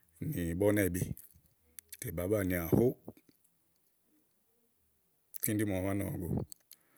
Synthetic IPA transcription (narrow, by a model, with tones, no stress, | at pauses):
ni˨bɔ˦nɛ˦˨bi˦ | tɛ˨ba˨˦ba˦˨ni˨a˨ho˦ | ki˦n˦di˦mɔ˨βa˦nɔ̰˨ɡo̰˨